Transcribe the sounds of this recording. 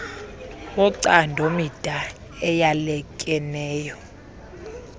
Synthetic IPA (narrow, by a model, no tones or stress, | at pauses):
wɔǀandʱomid̥ʱa | ɛjalɛkʼɛnɛːjɔ